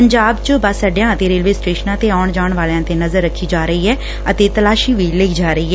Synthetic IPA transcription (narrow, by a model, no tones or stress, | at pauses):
əɲd͡ʒaːbt͡ʃəbəsəɖɪjãːət̪eːɾeːlʋeːsʈeːʃənãːt̪eːaːɳd͡ʒaːɳʋaːljãːt̪eːnəzəɾːəkʰːiːd͡ʒaːɾəiːɦɛː | ət̪eːt̪əlaːʃiːʋiːlɪkːd͡ʒaːɾəiːɦɛ